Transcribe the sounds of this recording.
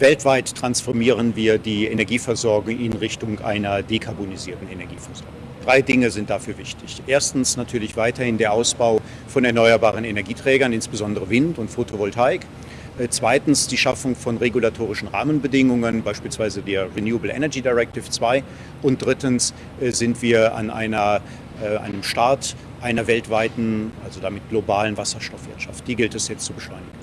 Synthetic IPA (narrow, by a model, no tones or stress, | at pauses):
vɛltv̥aɪtʰːʁ̥ansfɔɐmiːʁənviːɐdiːenɛɐɡiːfɛɐzɔɐɡʊŋɪnʁɪçtʊŋʔa̰ɪnɐdekʰaɐboniziːɐtn̩enɛɐɡiːfɛɐz̥ɔɐɡʊŋd̥ʁaɪdɪŋəzɪnt̚d̥afyːɐvɪçtʰɪçʔeːɐstn̩snatʰyːɐlɪçv̥aɪtɐhɪndeːɐʔaʊsb̥aʊ | fɔnɛɐnɔʏɐbaːʁ̞ənenɛɐɡiːtʁ̥ɛːɡɐnɪnsb̥əzɔndəʁəvɪntʊntfotʰovɔltʰaɪk | ʔt͡sv̥aɪtn̩sd̥iːʃafʊŋfɔnʁeɡulatʰoːʁ̞ɪʃn̩ʁa̰ːmənbədɪŋʊŋənbaɪʃpiːlsv̥aɪzədeːɐʁinjuːəbl̩ʔɛ̰nɛɐɡiːdaɪʁɛk̚tɪft͡sv̥aɪ | ʔʊnt̚d̥ʁɪtən̩s | ʔɛzɪntv̥iːɐʔa̰nʔa̰ɪnɐ | ʔʔa̰ɪnəmʃtaɐt | ʔaɪnɐvɛltv̥aɪtn̩ʔalzodamɪt̚ɡ̥lobaːlənvasɐʃtɔfv̥ɪɐtʃa̰ft̚d̥iːɡɪltɛsjɛt͡stt͡subəʃlɔʏnɪɡn̩